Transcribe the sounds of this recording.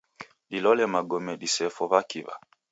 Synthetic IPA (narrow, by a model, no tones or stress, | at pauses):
lilɔlɛmaɡɔmɛɗisɛfɔβakiva̰